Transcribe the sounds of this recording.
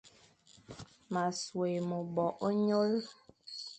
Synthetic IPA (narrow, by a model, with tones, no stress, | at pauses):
ma˨swe˨mo˨bɔ˨ʔɲo˦l